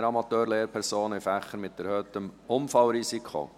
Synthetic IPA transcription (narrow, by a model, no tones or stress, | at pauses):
əɾɑmɑt̪øːɾleːɾpʰɛɾsoːnɪfæχənmɪt̪ːɛɾhœːt̪əmʊmfɑlɾisikʰo̰